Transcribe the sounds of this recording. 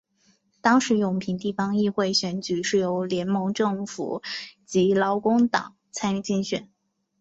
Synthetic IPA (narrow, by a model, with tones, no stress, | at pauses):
t̪ɑ˥ŋʂɻ̩˧˥jʊ˨˩ŋpʰi˧˥ŋt̪i˥˩fɑ˥ŋi˥˧xwe˥˩ɪɕɥɛ˧˥nt͡ɕy˨˩ʂɻ̩˥˩jo˧˥ʊljɛ˧˥nmɤ˧˥ŋʈ͡ʂɤ˥˩ŋfṵ˨˩t͡ɕi˧˥lɑ˧˥ʊkʊ˥ŋt̪ɑ̰˨˩˦ŋt͡sʰa˥ny˥˩t͡ɕi˥˩nɕɥɛ̰˨˦n